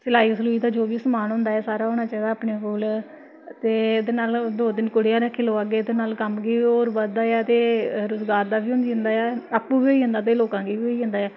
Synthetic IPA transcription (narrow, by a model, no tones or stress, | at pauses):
sɪlaːiːsluːiːt̪aːd͡ʒoːʋiːsəmaːnɦʊ̃nd̪aːɛːsaːɾaːɦoːnaːt͡ʃaːaːaːpneːpʊːl | t̪eːed̪eːnaːld̪oːd̪ɪnkʊɽɪjãːɾɛkʰːeːloːaːɡeːd̪eːnaːlkəmɡiːoːɾbəd̪aːjaːt̪eːɾʊzɡaːɾd̪aːbiːʊ̃nd̪iːɦə̃nd̪aːjaːaːpːuːbiːoiːɦʊ̃nd̪aːt̪̬eːloːkãːɡiːʋiːoːiːɦʊ̃nd̪aːjaː